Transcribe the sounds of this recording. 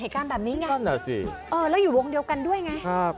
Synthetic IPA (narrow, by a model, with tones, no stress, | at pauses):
eː˨˩˦jkaː˧nbɛː˨˩p̚niː˦˥ŋa˧˥a˥˩naː˨˩sḭ˨˩ʔɤː˧lɛː˦˥wjuː˨˩wo˧ŋdi˧əwka˧ndu˥˩əjŋa˦˥kʰa˦˥˩p̚